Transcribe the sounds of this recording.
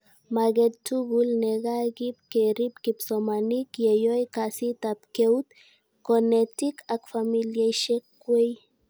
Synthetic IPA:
maɣetuɣulneɣaɡip̚keɾipkipsomanikjejojkasit̪ap̚kewt̪ | konet̪ikʰakfamiljejʃekː | wej

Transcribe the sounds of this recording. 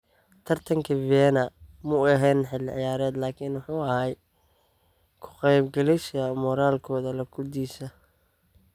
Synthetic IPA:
t̪ʰɐrt̪ʰɐŋkʰɐvɛːnɐmʊɛɦɛːnħɪlːɪʕɪjaːɾɛːd̪laːkʰiːnwʊħuːɐhɛj | kʰʊ̥qɛjbɡɐlɛʃɐmɔɾaːlkʰɔːðɐlɐkʰʊd̪iːsɐ

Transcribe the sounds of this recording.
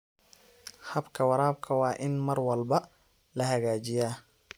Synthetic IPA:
hɐbkʰɐwɑɾaːb̚kʰɐwɑːʔɪnmɐrwɐlbɐ | lɐhɐɣaːt͡ʃɪjaː

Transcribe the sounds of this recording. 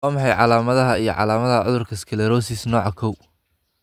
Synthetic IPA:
aːmɑħɑjʕɑ̰laːmɐðɐɦɐijɞ̰ʕɑ̰laːmɐðɐʕʊ̰ðʊrkʰɐskʰɛlɛɾɔːsisnɔːʕɑkʰɔw

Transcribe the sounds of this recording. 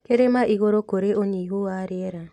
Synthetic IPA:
keɾemaʔiɣoɾokoɾeʔoɲiɦoaɾeɛɾa

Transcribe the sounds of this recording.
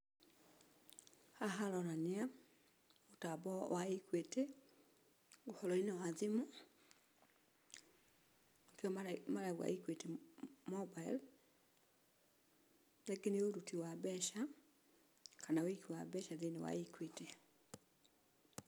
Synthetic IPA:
aɦaɾɔɾanea | otabɔwaikwete | ohɔlɔinawaðemu | akeɔmaɾaɣwa̰ikwetemɔbail | ðeɡeneoɾutiwabɛʃa | kanaoikiwabɛʃaðenewa̰ikwete

